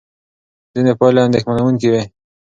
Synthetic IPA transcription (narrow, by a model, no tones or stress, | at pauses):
z̥inepɑleand̪exmanawuŋkiwe